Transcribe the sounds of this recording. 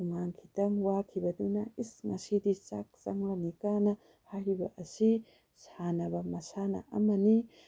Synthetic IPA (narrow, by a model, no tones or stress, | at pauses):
uŋaŋkʰi̥tɐŋwakʰibɐdunɐisŋɐ̰sidit͡ʃak̚t͡ʃɐ̰ŋlɐnikanɐ | hajbɐʔɐsi | sanɐbɐmɐsanɐ̰ʔɐ̰mɐni